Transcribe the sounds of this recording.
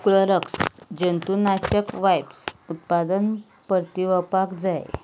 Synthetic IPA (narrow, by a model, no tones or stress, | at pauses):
kuləɾəksd͡ʑənt̪unast͡ɕəkʋajbsut̪̚pad̪ən | pəɾt̪iʋəpakd͡zaj̰